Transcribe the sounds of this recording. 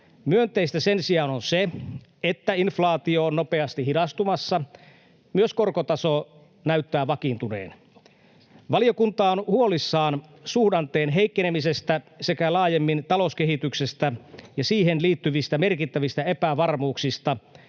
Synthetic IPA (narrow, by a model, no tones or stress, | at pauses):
myønt̪eist̪æsensiɑːnonse | et̪ːæinflɑːt̪ioːnnope̞ɑst̪ihidɑst̪umɑsːɑ | myøskorkot̪ɑso | næyt̪ːæːʋɑkint̪unḛːn | ʋɑlijokunt̪ɑːonhuolisːɑːn | suhdɑnt̪eːnɦe̞ikːenemisest̪æse̞kælɑːjemːint̪ɑlo̞skeɦit̪yksest̪æjɑsiːɦenliːt̪ːyʋist̪æmerkit̪ːæʋist̪æepæʋɑrmuːksist̪ɑ